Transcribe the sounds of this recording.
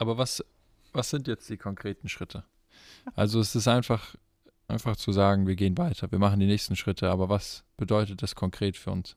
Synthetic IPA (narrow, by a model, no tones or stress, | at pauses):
ʔaːbɐvas | vasz̥ɪntjɛt͡std̥iːkʰɔŋkʁ̥eːtn̩ʃʁ̥ɪtʰə | ʔalzoɛsɪstʔaɪnfaχ | ʔaɪnfaχt͡suzaːɡŋ̩viːɐɡeːənvaɪtʰɐviːɐmaχn̩diːnɛːçstn̩ʃʁ̥ɪtʰəʔaːbɐvasb̥ədɔʏtət̚d̥askʰɔŋkʁ̥eːtfyːɐʊ̰ns